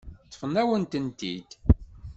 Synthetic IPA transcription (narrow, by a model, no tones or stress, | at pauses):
t̪ːə̥fənːæwənt̪ənt̪id̪̥